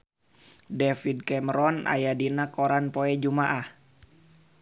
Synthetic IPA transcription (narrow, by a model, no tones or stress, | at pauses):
dɛfid̚kɛməɾɔnʔa̰jadinakoɾanpoɛd͡ʒumaʔah